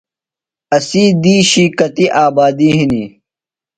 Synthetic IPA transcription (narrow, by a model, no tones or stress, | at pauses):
ɐsiːd̪iːɕikɐt̪iʔaːbaːd̪iɦinḭ